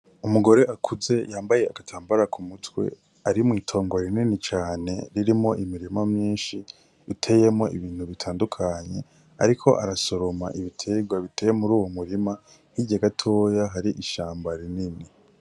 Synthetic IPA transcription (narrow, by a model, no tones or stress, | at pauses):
umuɡo̞ɾe̞ʔakʰuze̞jaːmbaje̞akatʰaːmbaɾakʰumutwe̞̰ | aɾimŋiːtʰo̞ːŋɡoɾininit͡ʃaːne̞̰ɾiɾimo̞ʔimiɾimamɲiːnʃiː | tʰe̞je̞mŋo̞ʔḭβiːn̥huβitʰaːndukʰaɲe̞ | a̰ɾikʰo̞̰ʔa̰ɾaso̞ɾoma̰ʔiβitʰe̞ɡwaβitʰe̞jemuɾuːwomuɾima | hiɟaɡatʰo̞ːjaɦaɾiʔiʃaːmbaɾinini